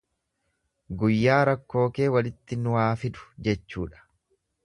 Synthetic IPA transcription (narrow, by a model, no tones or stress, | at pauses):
ɡʊjːaːɾɐkːo̞ːke̞ːwɐlɪt̪ːɪnʊwaːfɪd̪ʊ̥d͡ʒɛt͡ʃːuːᶑɐ̥